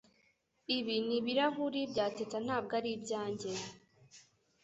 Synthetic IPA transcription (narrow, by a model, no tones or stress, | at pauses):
iβiniβiɾaɦuɾibɟaːtetan̥aːb̚ɡaɾibɟaːɲɟe